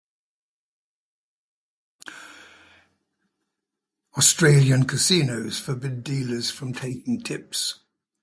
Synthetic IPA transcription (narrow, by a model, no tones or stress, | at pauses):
ɔstɹ̥eɪljə̃nkʰəsiːnəʊz̥fəbɪdiːləz̥fɹə̃mtʰeɪkɪ̃ŋtʰɪps